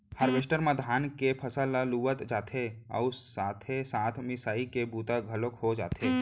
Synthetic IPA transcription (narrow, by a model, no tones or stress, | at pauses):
həɾʋesʈəɾmãd̪ʱaːnkepʰəsəlaluːʋət̪d͡ʒaːt̪ʰeɔ̰ːsaːt̪ʰesaːt̪ʰmɪsaːikebuːt̪aɡʱəlokɦod͡ʒa̰ːt̪ʰeː